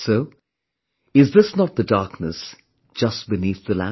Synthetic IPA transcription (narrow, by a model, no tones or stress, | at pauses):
soʊ | ɪzðɪsnət̪̚ðɨdɑɹknəs | d̥ʒ̥ʌs̚b̥ɨniθðɨlæ̰̃